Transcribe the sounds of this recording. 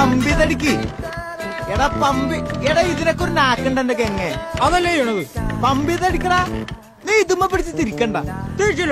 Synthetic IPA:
ɐmbiðɐɽikʲːɨ | eɽɐpɐmbieɽɐiðinɐkːoɾunaːkːɐɳɖendek̬eŋːeɐðɐlːejuɳɐðɨpɐmbiðɐɽikʲːɐɽa | niːt̪umːɐpːiɽit͡ɕːit̪iɾikʲːɐɳɖɐt̪iɾt͡ɕːil

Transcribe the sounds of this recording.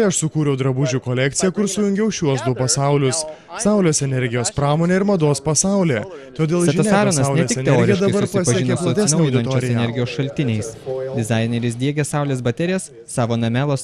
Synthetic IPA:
ɐʃsʊkuːɾʲɛʊd̪ɾɐbʊʒʲukolʲɛkt̪sʲɪjɛkʊɾsʊjʊŋʲɡʲɛʊʃʲuɔsd̪ʊpɐsɑˑʊlʲʊs | sɑʊlʲoːsɛnʲɛɾʲɡʲɪjoːspɾɑːmoːnʲeːɪɾmɐd̪oːspɐsɑˑʊlʲeː | t̪oːd̪ʲeːlˠɛʒʲɐsʲɑːɾonɐsʲɛɪkk̪ʲeoːɪjɛd̪ɐbɐɾpɐspɐʒʲiɪnkʲeplˠɐt̪ʲsɪnɐʊjɪɐnt͡ʃːoɛnʲɛɾʲɡʲɪjoːsʃɐlʲt̪ʲɪnʲɛɪsd̪ʲɪzɑɪnʲɛɾʲɪs̬d̪ʲiɛɡʲɛsɑˑʊlʲeːs̬bɐt̪ʲɛɾʲɪjɛsːɑːʋoːnɐmʲæːlˠoːs

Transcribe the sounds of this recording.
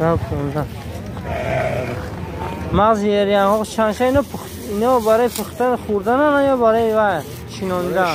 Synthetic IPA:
akʰɔnd̪an | maʁzieɾijanhɔqt͡ʃʰanʃainɔpʰ | inɔbaɾɔipʰuχt̪anχuɾd̪ananajɔbaɾɔjvaj | t͡ʃʰinɔnd̪a

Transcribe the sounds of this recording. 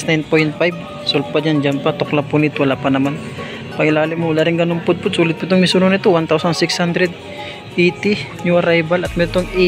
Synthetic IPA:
snajn̚pojnt̪̚fajb̚ | solpad͡ʒand͡ʒanpat̪oklapunɪt̪wɐlaːpɐnɐman | pɐŋɪlaːlɪmowlaɾɪŋɡɐnʊmpʊd̪̚pʊd̪̚suːlɪd̪̚pʊt̪oŋmisunonɪt̪owant̪awsɐnsɪkshand̪ɾɛd̪̚ | ʔet̪i | ɲuɐɾajbalɐt̪̚mɛɾt̪oŋ

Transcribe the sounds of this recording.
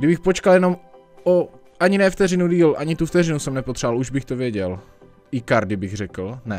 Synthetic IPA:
ɡdɪbɪxpo̞t͡ʃkaljɛno̞m | o | ʔaɲɪnɛft̪ɛrɪnudiːlʔaɲɪt̪uft̪ɛrɪnusɛmnɛpot̪r̥aaluʒbɪxt̪ovjɛɟɛl | ʔɪkaɾdɪbɪɣrɛkl̩nɛ

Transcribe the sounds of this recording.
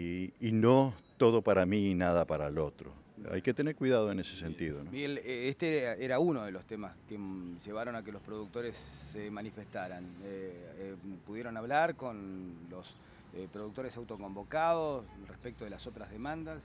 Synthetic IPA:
inot̪o̞ðo̞paɾaminaðapaɾaelo̞t̪ɾo̰a̰jke̞t̪e̞neɾkwiðað̞oene̞sesent̪iðoomieleest̪eeɾaunoð̞elo̞st̪emaskeʒe̞β̞aɾo̞nakelo̞spɾo̞ðuk̚t̪o̞ɾesːemanife̞st̪aɾane | puðjeɾo̞naβlaɾko̞nlo̞s | pɾoðuk̚t̪oɾesawt̪oko̞mbo̞kaðosrespek̚t̪oðelaso̞t̪ɾazðemãnd̪as

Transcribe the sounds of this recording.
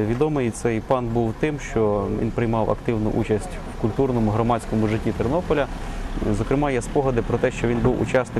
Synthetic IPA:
ʋʲid̪ɔmɪjt̪sɛjpɑnbuwt̪ɪmʃt͡ʃɔʋʲḭnpɾɪjmɑwɐ̰kt̪ɪwnʊ̰ʔut͡ʃɐsʲtʲwkʊlʲt̪urnɔmʊɦɾɔmɑt͡sʲkɔmʊʒɪtʲːit̪ɪrnɔpɔlʲɐzɔkɾɪmɑjɛspɔɦɔd̪ɪpɾɔt̪ɛʃt͡ʃɔʋʲinbuwʊ̰t͡ʃɑsnɪ

